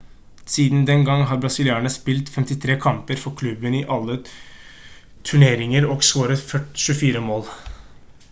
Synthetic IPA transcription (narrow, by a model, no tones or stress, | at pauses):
siːd̪nd̪ɛnɡɑŋːɦɑɾbɾɑsɪlɪɑːɳəspɪlt̪fɛmt̪ɪt̪ʰɾeːkʰɑmpəɾfɔɾkʰlʉbənɪʔɑlːə | t̪ʰʉɳeːɾɪŋəɾɔɡsʋoːɾəfœʈʃʉfiːɾəmoːl